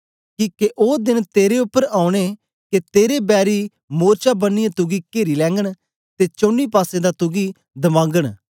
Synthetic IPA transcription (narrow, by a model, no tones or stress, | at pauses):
kiːkeʔoːd̪ɪnt̪eːɾeʊpːəɾaːʊ̃ɽ̃e | ket̪eːɾebɛːɾi | moːɾt͡ʃabənːijãt̪ʊɡikeːɾilɛ̃ːŋɡəɽ̃ | t̪et͡ʃõːnːipaːsẽd̪at̪ʊɡi | d̪ɐmãːŋɡəɽ̃